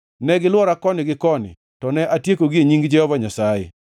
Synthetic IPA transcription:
nɛɡɪlwɔɾakɔnɪɡɪkɔnɪ̰ | tɔnɛʔatjekoɡieɲiŋɡd͡ʒɛɔvaɲasajɛ̰

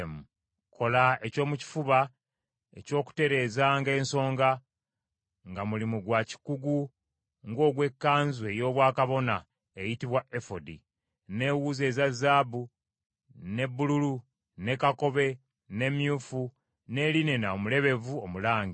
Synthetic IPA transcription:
mu | kʰo̞lae̞co̞ːmuci̥fuβa | e̞̰co̞ːku̥te̞ɾe̞ːzaŋɡe̞ːnso̞ːŋɡa | ŋɡamulimuɡwaci̥kuɡu | ŋɡo̞ːɡwe̞kːaːnzwe̞jo̞ːβwaːkaβo̞na | ejitiβwae̞fodi | ne̞wuːze̞ːzazaːbu | ne̞bːululu | ne̞kako̞βe̞ | ne̞mjuːfu | ne̞ːline̞naomule̞βe̞vuomulaːɲɡi

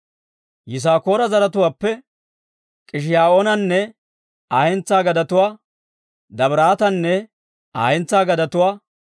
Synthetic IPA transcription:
jɪs̬aːko̞ːɾɐzɐɾɐt̪ʊwaːpːɛ | kʼɪʃ̬ɪjaːʔoːnɐnːɛ | aːhɛnt͡sːaːɡɐd̪ɐt̪ʊwaː | d̪ɐbɾaːt̪ɐnːɛ | a̰ːhɛnt͡sːaːɡɐd̪ɐt̪ʊwaː

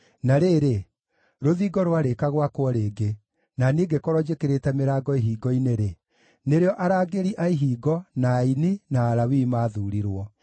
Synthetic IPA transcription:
naɾeːɾe | ɾoðiːɡɔɾwaɾekaɣwakwɔɾeːɡe | naniːɡekɔɾɔd͡ʑekeɾetɛmeɾaːɡɔiɦiːɡɔineɾe | neɾeɔʔaɾaːɡeɾiʔaiɦiːɡɔnaininaːɾawimaːðuːɾiɾwɔ

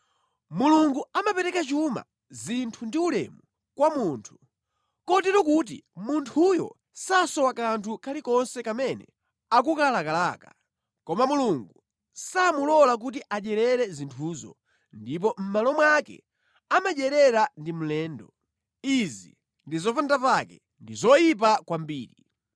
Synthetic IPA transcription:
muluŋɡuamapɛɾɛkat͡ʃuma̰ | zintʰundiulɛ̰mu | kwamuːntʰu̥ | kɔtɛɾɔkut̬ḭmuntʰujɔ̰ | sasɔwakantʰukʰalikɔnsɛkamɛnɛ̰ | ak̬ukalakalaːka̰ | kɔmamuluŋɡu | samulɔlak̬ut̬iʔaɗɛɾɛɾɛzintʰuːzɔ̰ | ndip̬ɔm̩malɔmwakɛ̰ | amaʄɛɾɛɾandimulɛːndɔ | izḭ | ndizɔfandapakɛ̰ | ndizɔjip̬akwambiːɾi

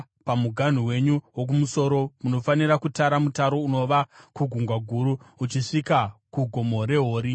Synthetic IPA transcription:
pamuɡʱan̤uwe̞ɲuwok̬umuso̞ɾo̞muno̞faniɾakutaɾamutaɾo̞uno̞ʋakuɡʱuŋɡwaɡʱuɾuut͡ʃiʂikakuɡʱo̞mo̞ɾe̞ɦo̞ːɾi

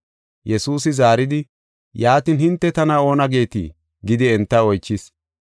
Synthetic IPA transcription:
jɛsuːsɪzaːɾɪd̪ɪ | jaːt̪iːnhɪnt̪ːɛt̪ɐnɐo̞ːnɐɡe̞ːt̪ḭ | ɡɪd̪ɪɛnt̪ːɐɔjt͡ʃːɪs

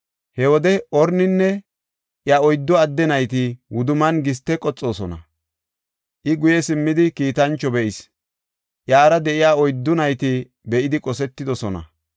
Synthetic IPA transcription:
hɛwɔd̪ɛʔɔɾnɪnːɛ | ʔjɐɔjd̪ːɔɐd̪ːɛnɐjt̪ɪwʊd̪ʊmɐnɡɪs̬t̪ːɛkʼɔt͡sʼːo̞ːsɔnɐ̰ | ʔɪɡʊjɛsɪmːɪd̪ɪkiːt̪ɐnt͡ʃːɔbɛʔɪs | ʔjaːɾɐd̪ɛʔɪjaːɔjd̪ːʊnɐjt̪ɪ | bɛʔɪd̪ɪkʼɔsɛt̪ːɪd̪ɔsɔnɐ̰

